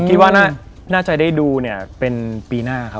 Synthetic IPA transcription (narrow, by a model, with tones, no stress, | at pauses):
kʰi˦t̪̚waː˥˩na˥˩ | naː˥˩t͡ɕa˧jdaː˥˩jduː˧ni˥˩ɐpe˧npiː˧naː˥˩kʰa˦˥p̚